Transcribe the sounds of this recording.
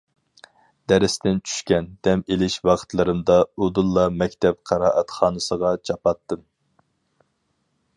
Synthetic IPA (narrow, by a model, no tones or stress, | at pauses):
d̪̥ɛɾɪst̪ɪnt͡ʃʰy̥ʃkʲɛnd̪̥ɛmelɪʃwɑqʰt̪lˠɨɾɨmd̪ɑud̪ulˠːɑmɛkʲt̪ʰɛp̚qʰɑɾɑːʔɛt̪χɑːnɨsəʁɑt͡ʃʰɑpɑt̪ːɨm